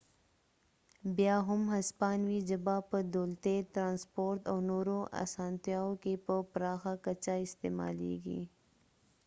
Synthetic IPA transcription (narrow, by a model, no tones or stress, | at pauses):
bjaːɦʊmɦɐspɑːnwid͡ʒəbapəd̪oːlt̪et̪ɾaːnspoːɾt̪awnoːɾoʔa̰ːsaːnt̪jaːokepəpɾaːxakɐt͡ʃaɪst̪eːma̰ːlḛːɡḭ